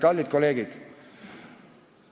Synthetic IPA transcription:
kɑlʲːit̪̚koleːɡid̪̥

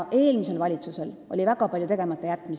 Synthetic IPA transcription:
ʔe̞ːlmise̞lvɑlʲit̪suse̞lo̞̰lʲivæɡ̥ɑpɑljut̪e̞ɡe̞mɑt̪ˑːejæt̪ːˑmis

